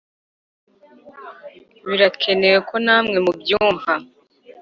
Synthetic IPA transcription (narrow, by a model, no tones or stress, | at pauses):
βiɾakʰe̞ne̞we̞ko̞naːmŋe̞mubjuːɱva